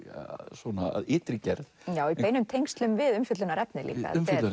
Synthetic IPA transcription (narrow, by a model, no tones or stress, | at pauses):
swɔna̰ðɪːt̪ɾicɛɾðjaːwipeːjnʏmt̪ʰejŋst̪lʏmvɪðʏmfʏt̪lʏnaɾɛpnɪlḭːka̰m